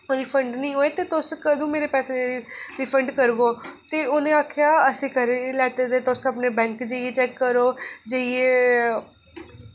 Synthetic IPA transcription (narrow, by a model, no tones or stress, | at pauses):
oniːpʰəɳɖnĩːɦoːeːt̪eːt̪ʊskəd̪õːmeːɾeːpɛːsed͡ʒiɾɪpʰəɳɖkəɾɡoːt̪eːoːnẽːaːkʰjaːəsĩːkəɾelɛːt̪eːt̪eːt̪ʊsəpneːbɛ̃ːŋkd͡ʒeieːt͡ʃɛːkːəɾoːd͡ʒeieː